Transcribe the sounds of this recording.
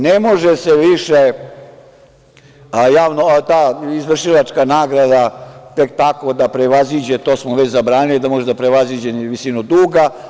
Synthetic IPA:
nemo̞ʒeseʋiʃe | jaːʋnot̪aːizʋr̩ʃiʋat͡ʃkanaːɡɾad̪at̪e̞kt̪ako̞d̪apɾeʋazid͡ʑet̪o̞ːsmoʋet͡ɕzabɾaːnilid̪amoʒed̪apɾeʋazid͡ʑenʋisinod̪uːɡa

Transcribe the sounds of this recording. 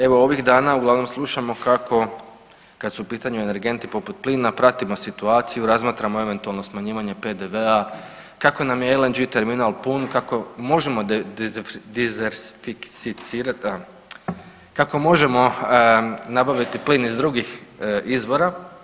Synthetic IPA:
e̞ʋo̞o̞ʋiɣd̪aːnauɡlˠaʋno̞mslˠuʃamo̞kako̞ | kat̪suupiːt̪aɲue̞ne̞ɾɡe̞nt̪ipo̞put̪̚pliːnapɾat̪imo̞sit̪uaːt̪sijuɾazmaːt̪ɾamo̞e̞ʋe̞nt̪ualˠno̞smaɲiːʋaɲe̞pe̞d̪eʋea | kako̞namjeelend͡ʒit̪e̞ɾminalˠpunkako̞mo̞ʒe̞mo̞ | d̪izeɾsifiksit̪siːɾa | kako̞mo̞ʒe̞mo̞ | nabaʋit̪ipliːnizd̪ɾuɡixizʋo̞ɾa

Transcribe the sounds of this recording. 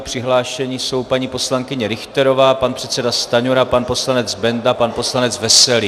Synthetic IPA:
pr̝̥ɪɦlaːʃɛɲiso̞wpaɲiːpo̞slaŋkɪɲɛɾɪxt̪ɛɾo̞vaːpanpr̥ɛt̪t͡sɛdast̪aɲoɾapanpo̞slanɛd͡zbɛndapanpo̞slanɛd͡zvɛsɛlɪ

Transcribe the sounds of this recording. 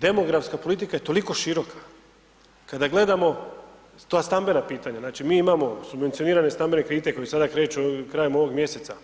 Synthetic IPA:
d̪e̞mo̞ɡɾafskapo̞lit̪ikaje̞t̪o̞liko̞ʃiɾo̞kḁ | kad̪aɡle̞d̪amo̞ | t̪oaːst̪ambe̞napiːt̪aɲaznaːt͡ʃimiːimamo̞subʋent̪sio̞niːɾanest̪ambe̞ne̞kɾeit̪eko̞jesad̪akɾe̞ːt͡ʃukɾaːjemo̞ʋo̞ɡmje̞se̞t̪sa

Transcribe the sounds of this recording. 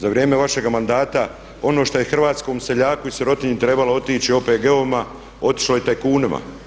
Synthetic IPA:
zaʋɾje̞ːme̞ʋaʃe̞ɡamand̪aːt̪a | o̞no̞ːʃt̪o̞jexr̩ʋaːt̪sko̞ːmse̞ʎaːkuiseɾo̞t̪iɲit̪ɾe̞baloot̪iːt͡ʃio̞ːpeːɡe̞oʋima | o̞t̪i̥ʃlojet̪ejekuːnima̰

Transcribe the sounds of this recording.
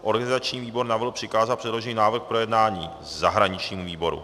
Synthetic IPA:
ʔo̞ɾɡanɪzat͡ʃɲiːviːbo̞ɾnavlpr̥ɪkaːzapr̥ɛdlo̞ʒɪɲinaːvr̩xpɾo̞jɛdnaːɲiː | zaɦɾaɲɪt͡ʃɲiːmuviːbo̞ɾṵ

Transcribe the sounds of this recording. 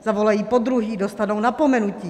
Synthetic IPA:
zavolajiːpod̪ɾuɦiːdost̪anownapomɛnuciː

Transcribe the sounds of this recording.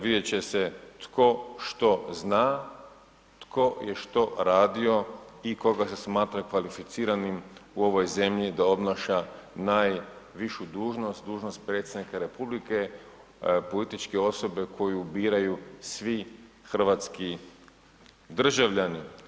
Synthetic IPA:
ʋid̪et͡ɕe̞se̞t̪kʰo̞ʃt̪o̞znaː | t̪kʰo̞jeʃt̪o̞ɾaːd̪io̞iko̞ɡasesmaːt̪ɾakʋalifit̪siːɾanimuo̞ʋo̞jze̞mʎid̪ao̞bnaʃanaːjʋiʃud̪uːʒno̞st̪̚d̪uːʒnost̪̚pɾe̞ːt̪sʲed̪nikaɾe̞publike̞ | po̞lit̪it͡ʃkeo̞so̞be̞kʰo̞jubiːɾajusʋixr̩ʋat̪ski | d̪r̩ʒaʋʎani

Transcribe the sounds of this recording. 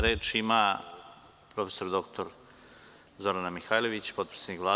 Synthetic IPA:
ɾe̞ːt͡ʃima | pɾo̞fe̥so̞ɾd̪o̞kt̪ʰo̞ɾ | zo̞ɾanamixaːjlo̞ʋit͡ɕpo̞t̪pɾi̥senikʋlaː

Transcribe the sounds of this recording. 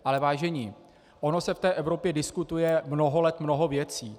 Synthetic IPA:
ʔalɛvaːʒɛɲiː | ʔono̞sɛft̪ɛːʔɛvɾo̞pjɛdɪskut̪ujɛmno̞ɦo̞lɛt̪mno̞ɦo̞vjɛt͡siː

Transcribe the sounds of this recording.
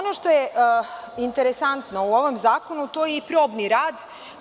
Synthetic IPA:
onoʃt̪o̞je | int̪eɾesant̪no̞uo̞ʋomzaːko̞nut̪o̞ːjeipɾoːbniɾaːd̪

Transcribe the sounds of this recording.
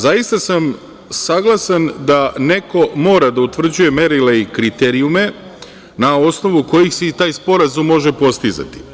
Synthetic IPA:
zajist̪asam | saɡlˠasand̪ane̞ko̞mo̞ːɾad̪aut̪ʋr̩d͡ʑuje̞me̞ɾileikɾit̪eɾiume̞ | nao̞sno̞ʋuko̞jixset̪aːjspo̞ɾazumːo̞ʒe̞po̞st̪iza̰t̪i̥

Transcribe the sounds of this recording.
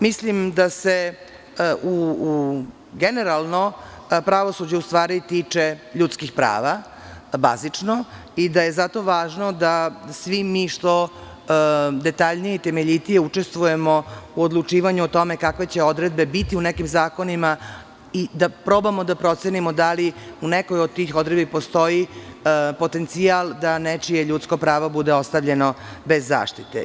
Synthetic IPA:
mislimd̪ase̞ | ʔu | ɡene̞ɾalˠno̞pɾaʋo̞sud͡ʑeust̪ʋaːɾit̪iːt͡ʂe̞ʎut̪skixpɾa̰ːʋa | ba̰zit͡ʂno | id̪aje̞zat̪o̞ʋaːʒno̞d̪asʋimiːʂt̪o̞ | d̪e̞t̪aʎnijeit̪e̞meʎit̪ije̞ut͡ʂe̞st̪ʋuje̞mo̞uod̪lˠut͡ʂiːʋaɲuot̪o̞mekakʋe̞t͡ɕe̞od̪ɾed̪̚be̞bit̪iunekimzaːko̞nima | id̪apɾobamod̪apɾo̞t̪senimod̪aliunekojod̪̚t̪ixod̪ɾed̪bipost̪o̞ji | po̞t̪e̞nt̪siald̪anet͡ʃijeʎut̪skopɾaːʋobud̪eo̞st̪aʋʎe̞nobezːa̰ːʃt̪it̪ḛ

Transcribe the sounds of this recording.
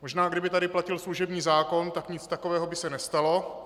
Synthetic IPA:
moʒnaːɡdɪbɪt̪adɪplacɪlsluʒɛbɲiːzaːko̞nt̪akɲɪt͡st̪akovɛːɦobɪsɛnɛst̪alo̞

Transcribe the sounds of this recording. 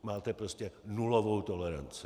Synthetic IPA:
maːt̪ɛpɾoscɛnulovowt̪o̞lɛɾa̰nt͡sɪ̰

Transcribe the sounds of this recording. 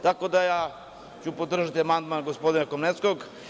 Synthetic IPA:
t̪ako̞d̪ajaː | t͡ɕupod̪r̩ʒat̪iamand̪manɡospod̪inakomnet̪skoɡ

